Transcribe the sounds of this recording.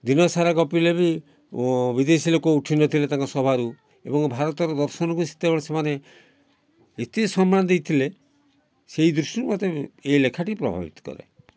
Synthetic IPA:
d̪inɔsaɾaɡɔpilebi | bid̪esilokɔuʈʰinɔt̪ʰilet̪ãŋkɔsɔbʱaɾu | ebɔŋbʱaɾɔt̪ɔɾɔd̪ɔɾsɔnɔkusi̥t̪ːebɔɭsemane | et̪esɔmɾand̪ejt̪ʰile | seid̪ɾusiɾmɔt̪eeilekʰaʈipɾɔ̰bʱa̰bḭt̪ɔ̥kɔ̰ɾḛ

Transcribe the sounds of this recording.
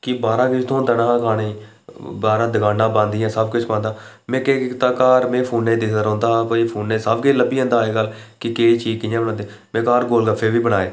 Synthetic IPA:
kɪbaːɾãːkɪt͡ʃʰt̪ʰõːd̪ənãːɦãːkʰaːɽeː | baːɾãːd̪əɡãːnːãːbãːnd̪ɪjãːsəb̚kʊt͡ʃʰpãːnd̪aː | mẽːkeːt̪aːkaːɾmẽːpʰuːnːẽːd̪ɪəɾõːnd̪aːɦãːkoːiːpʰuːnːeːsəbkɪt͡ʃləbiːə̃nd̪aːeːɡəlkɪkeːiːt͡ʃiːkɪjãːbəɽãːd̪i | mẽːkaːɾɡoːlɡəfʰeːʋiːbəɽaːeː

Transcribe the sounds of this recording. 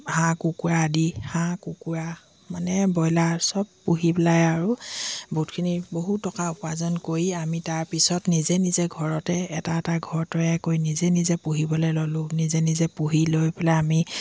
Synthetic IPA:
hãkukuɹadihãkukuɹa | manɛbɔjlasɔbːuɦipɛlajaɹubʱutkʰiniboɦutːɔkaupazɔnkoɹiamitaɹpisɔtnizɛnizɛɡʱɔɹɔtɛɛtaɛtaɡʱɔɹtɔjakojnizɛnizɛpuɦibɔlejlɔlʊ̃nizɛnizɛpuɦilojpɛlaami

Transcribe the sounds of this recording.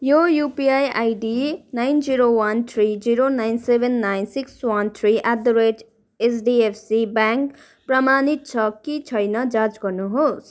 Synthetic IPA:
jojupiajajɖinajnd͡ziɾowant̪ʰɾid͡ziɾonajnsebʱenːajnsikswant̪ʰɾiʔad̪ɾed͡ʒ | esɖiepʰsibaŋk | prʌmanit̪̚t͡sʰʌkit͡sʰʌjnʌd͡zat͡sɡʌɾnuɦos

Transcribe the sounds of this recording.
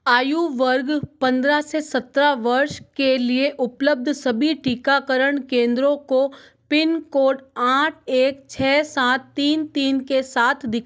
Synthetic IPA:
aːjuʋəɾɡpɐ̃nd̪ɾasesɐt̪ɾaʋɐɾʃkelieʔʊpləb̚d̪ʱsɐbʱiʈiːkakəɾəɽ̃kẽːnd̪ɾõko | pɪnkoːʈaːʈ̚ʰeːkt͡ʃʰɛːsaːt̪ːiːnt̪iːnkesaːt̪ʰd̪ɪkʰː

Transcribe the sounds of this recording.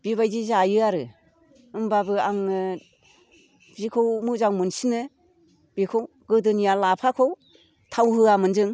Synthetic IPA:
b̥iβajzizajɯaɾɯ | ɯmbabɯaŋ | bikʰowmɯzaŋmɯnsinɯ | b̥ikʰow | ɡɯdɯnijalapʰakʰow | tʰawɦɯamɯnzɯŋ

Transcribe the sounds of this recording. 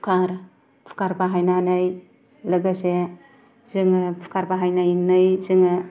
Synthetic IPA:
pʰkʰaɾ | pʰkaɾbaɦajnanɯj | lɯɡase | zɯŋɯpʰə̥kaɾbaɦajnajŋnɯjzɯŋɯ

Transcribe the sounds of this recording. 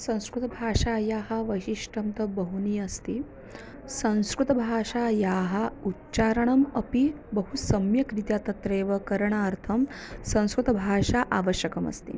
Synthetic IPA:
sɐ̃w̃skɾut̪ɐbʱaːʂaːjaːɦɐʋɐʃiʂʈʰɐmt̪ɐbɐɦuniːɐst̪i | sɐ̃w̃skɾut̪ɐbʱaːʂajaːɦautːt͡ʃaːɾɐɳɐmɐpi | bəɦusɐmjɐkɾit̪jat̪ɐt̪ɾeːʋɐkɐɾɐɳaɐɾt̪ʰɐmsɐ̃w̃skɾut̪ɐbʱaːʂaʔaʋəʃjɐkɐmɐ̰st̪ḭ

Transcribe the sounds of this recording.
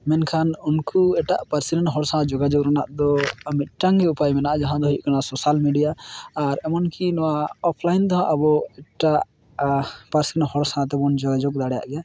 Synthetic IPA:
mɛnkʰanunkuɛʈaʔpaɾsinɛnɦɔɽsaad͡ʒɔɡad͡ʒɔɡɾanaʔd̪ɔamit̪̚ˀʈaŋɛupajmɛnaʔad͡ʒaɦãd̪ɔɦiʔ̚kanasɔsalmiɖijaːɾɛmɔnkinɔwaɔpʰlajnd̪ɔɦãʔabɔɛʈaʔ | paɾsinhɔɽsaat̪̬ɛbɔnd͡ʒɔɡad͡ʒɔɡ̚d̪aɽɛja̰ʔɡɛja

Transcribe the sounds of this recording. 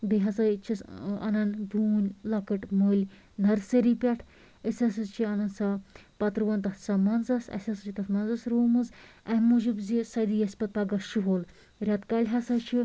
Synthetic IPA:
b̪eɦasat͡ʃʰisɐ̰nɐnd̪uːnʲlakəʈməːlʲ | nɐɾseɾipʲaʈʰ | əsʲasɐzt͡ʃʰiɐnɐnsapɐt̪ɾɨʋɐnt̪ɐt̪samɐnzɐsɐ̰sʲɐsɨt͡ʃʰit̪ɐt̪ʰmɐnzasɾoːmɨzɐɦʲmud͡ʒibzisɐd̪ijɐsʲpɐt̪̚paɡaʃiɦoːl | ɾʲat̪kalʲɦasat͡ʃʰi

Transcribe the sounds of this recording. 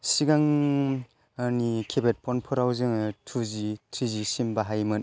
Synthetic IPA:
siɡaŋ | anikʰebet̚pʰɔnpʰɔɾawzɯŋtʰuzitʰɾizisimbaɦajmɯn

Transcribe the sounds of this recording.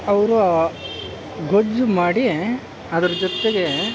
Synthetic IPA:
ɐʋɐɾu | ɡod͡ʒumaːɽi | ɐd̪ɐɾɐd͡ʒɔt̪ːeɡe̞

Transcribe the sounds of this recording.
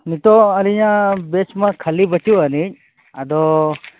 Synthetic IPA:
nit̪ɔəliɲabet͡ʃmakʰəlibət͡ʃuanic̚ | ad̪ɔ

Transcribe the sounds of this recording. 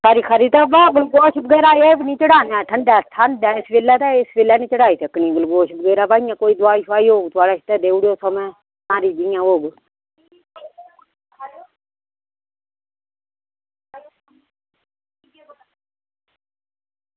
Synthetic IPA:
kaːɾiːkʰaɾiːt̪aːbaːɡəlɡoːʃbəɡeːɾaːeːbnĩːt͡ʃəɽaːnɛːʈʰəɳɖɛːʈʰəndɛːɪsʋeːlːɛːt̪ɛːɪsʋeːlɛːnĩːt͡ʃəɽaːiːsʰekːnĩːɡəlɡoːʃbəɡeːɾaːbaːɪ̃jãːkoːiːd̪ʊaːiːʃʰaːiːɦoːɡt̪ʊaːɽaːʃɪ̥t̪ɛːd̪eːuɽoːsəmɛ̃ː | nãːɾiːd̪ɪjãːɦoːɡ

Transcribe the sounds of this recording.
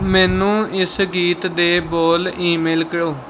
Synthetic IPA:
mɛ̃ːnũːʔɪsɡiːt̪d̪eːboːliːmeːlkəɽoː

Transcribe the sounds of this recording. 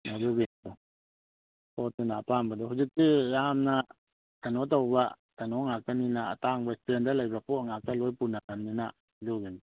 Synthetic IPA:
naduɡenadɔ | pɔtɯnapambadɔɦud͡ʒik̚tijamna | tanɔt̬awba | tanɔŋakaninaa̰taŋbastendalajbapɔŋak̚alojpunakannina | duɡen

